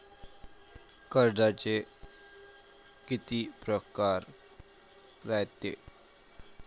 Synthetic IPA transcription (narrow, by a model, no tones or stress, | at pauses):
kəɾɖat͡ɕe | kɪt̪ipɾəkaːɾ | ajt̪ḛ